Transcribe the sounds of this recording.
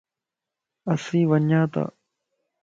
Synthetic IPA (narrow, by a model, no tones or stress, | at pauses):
əsĩːʋəɲjãːt̪a̰ː